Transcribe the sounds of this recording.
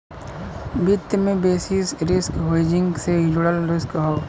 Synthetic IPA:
bɪt̪jmẽbeːsisɾɪskɦeːd͡ʒɪ̃ŋɡsed͡ʒʊɽəlɾɪskɦoː

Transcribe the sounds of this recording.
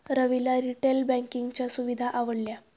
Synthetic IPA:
ɾəʋilaɾiʈelbæ̃ŋkiŋɡt͡ɕjasuʋid̪ʱaʔaʋəɽlja

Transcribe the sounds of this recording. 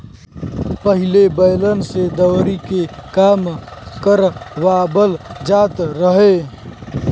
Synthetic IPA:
pəɦɪlebəɪlənsed̪əwɾikekaːmkəɾʋaːbəld͡ʒaːt̪ɾəɦe

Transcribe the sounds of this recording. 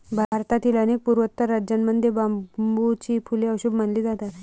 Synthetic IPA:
bʱaɾt̪at̪ʰilanek̚puɾʋət̪ːəɾːad͡ʑjanməd̪ʱjebambut͡ɕiːpʰuleəwɕubmənliːd͡zat̪at̪

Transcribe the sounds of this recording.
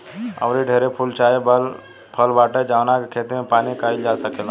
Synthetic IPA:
ə̰ʊɾeɖʱeɾepʰult͡ʃaːebəl | pʰəlbaːʈed͡ʒawnakekʰeːt̪mẽpaːnikaːild͡ʒasəkel

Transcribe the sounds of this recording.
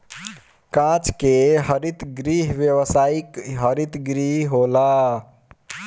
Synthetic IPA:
kãt͡ʃkeɦəɾit̪ɡɾiɦʋjəʋəsaikɦəɾit̪ɡɾiɦɦola

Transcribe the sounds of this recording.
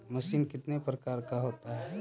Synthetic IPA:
mɐʃiːnkɪt̪nepɾəkaːɾkaɦoːt̪aɦɛː

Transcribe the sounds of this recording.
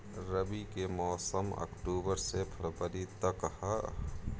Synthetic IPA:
ɾəbikemɔːsəmɐ̰kʈuːbəɾsepʰəɾpəɾit̪əkhə

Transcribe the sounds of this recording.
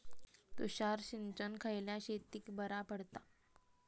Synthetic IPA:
t̪uɕaɾɕint͡ɕənkʰajljaɕet̪iːkbəɾapəɽt̪a

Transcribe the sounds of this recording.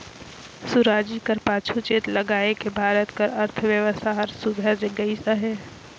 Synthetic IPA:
suɾaːd͡ʒikɐɾpaːt͡ʃʰut͡ʃeːt̪lɐɡaːekebʱaːɾət̪kəɾɐɾt̪ʰʋjəʋəst̪ʰaɦɐɾsud̪ʱəd͡ʒeɡɐisaɦɛː

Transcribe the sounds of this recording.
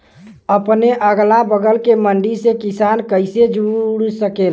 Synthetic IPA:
əpneʔəɡlabəɡəlkeməɳɖisekisankəɪsed͡ʒuɽsəkel

